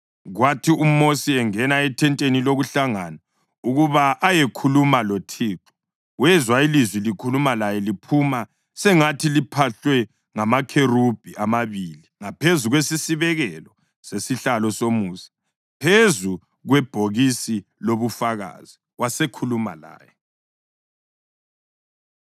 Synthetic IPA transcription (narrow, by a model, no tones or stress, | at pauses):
ɣwatʰium̩osiɛŋɛnaɛtʰɛntʼeniloɣuɬaŋana | uɣuβaʔːjekʰulumalotʰiːǁɔ̥ | wɛzwailizwilikʰulumalajɛlipʰuma | sɛŋatʰilipʰaɬwɛ | ŋamakʰerub̥ʱiʔamaβiliŋapʰezuɣwesisiβɛɣɛlɔ | sesiɬalɔsomuːsḁ | pʰezu | ɣwɛb̥ʱoɣisiloβufaɣa̰ːz̥i | wasekʰuluma̰la̰ːjɛ